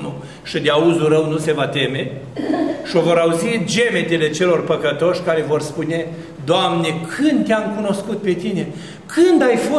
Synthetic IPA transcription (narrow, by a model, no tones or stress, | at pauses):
nu | ʃid̪eauzuɾəwnuse̞vat̪e̞me̞ | ʃio̞vo̞ɾauzid͡ʒe̞met̪ele̞t͡ʃe̞lo̞rpəkət̪o̞ʃʲkaɾe̞vo̞rspune̞ | d̪oamne̞kʰɨnd̪t̪eamkuno̞skut̪̚pe̞t̪ine̞ | kʰɨnd̪ajfo